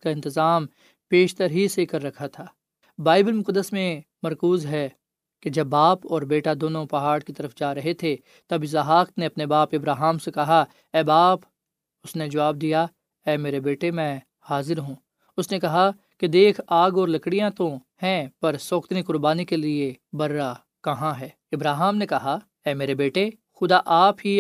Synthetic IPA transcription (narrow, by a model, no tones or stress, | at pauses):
kaɪ̃nt̪ɪzaːm | peːʃt̪əɾɦisekɐɾːɐkʰat̪ʰaː | baːɪbəlmʊkəd̪ːəsmẽ | mɐɾkuːzɦɛ | ked͡ʒɐbːaːpɔːɾbeːʈad̪oːnõpɐɦaːɽkit̪ɐɾəfd͡ʒaːɾɐɦet̪ʰe | t̪ɐbɪzaɦaːkneɐpnebaːpɪbɾaːɦaːmsekɐɦa | ɛːbaːp | ʊsned͡ʒɐʋaːb̚d̪ija | ɛːmeːɾebeːʈemɛ̃ː | haːzɪɾɦũː | ʊsnekɐɦa | ked̪eːkʰaːɡɔːɾlɐkɽijãt̪oɦɛ̃pɐɾsoːkt̪nikʊɾbaːnikeliebɐɾːa | kɐɦãɦɛː | ɪbɾaːɦːmnekɐɦa | ɛːmeːɾebeːʈe | xʊd̪aʔaːpɦi